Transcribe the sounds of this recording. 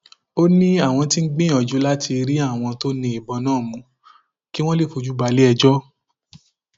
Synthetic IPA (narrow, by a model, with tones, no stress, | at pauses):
o˦nĩ˦a˦˨w̃ɔ̃˧ti˦ŋ̩˦ɡ͡bĩ˦˨ɔ˨d͡ʒu˨˦la˦tʰi˧ɾi˦a˦˨w̃ɔ̃˧to˦nĩ˧i˨bɔ˧˦nãː˦˨mũ˨˦ | ki˦w̃ɔ̃˦le˦˨fo˨˧d͡ʒu˦ba˧le˦ɛ˧d͡ʒɔ˦